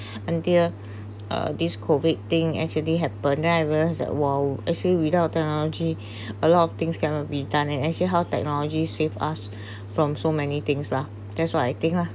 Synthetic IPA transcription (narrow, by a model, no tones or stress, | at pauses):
ə̃ntil | ə̰diskʰovid̚t̪ɪ̃ŋɛ̰k̚t͡ʃuəliɦɛpə̃ndɛ̃naɪɹilaɪsdɛ̰t̚wɛlɛk̚t͡ʃəliwitaʊt̚tːɛk̚nɔlɔd͡ʒi | əlɔtɔft̪ɪ̃ŋskɛ̃nɔt̚bidãnɛ̃nɛk̚t͡ʃəliɦawtɛ̰k̚nɔlɔd͡ʒisefa̰s | fɹɔ̃msomɛnit̪ɪ̃ŋsla | d̥ɛtswaɪajt̪ɪ̃ŋkla